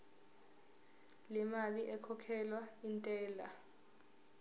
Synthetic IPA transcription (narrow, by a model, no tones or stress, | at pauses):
lɛmaliʔɛkʰɔkʰɛlwaintʼɛːla